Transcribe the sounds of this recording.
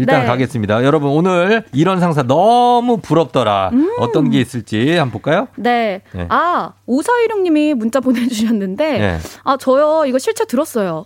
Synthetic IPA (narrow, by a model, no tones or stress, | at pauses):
iɭt͈aŋkaɡes͈ɯmɲidajʌɾʌbunonɯɾiɾʌnsʰaŋs̬ʰanʌmupuɾʌp̚t͈ʌɾaɯʌt͈ʌnɡe̞is͈ɯɭt͡ɕ͈ihambok͈ajone̞je̞̰aosʰʌiɾjoŋɲimimunt͡ɕ͈apone̞d͡ʑuɕʰʌɦanːɯnde̞je̞̰at͡ɕʌjʌiɡʌɭɕʰiɭt͡ɕʰetɯɾʌs͈ʌjo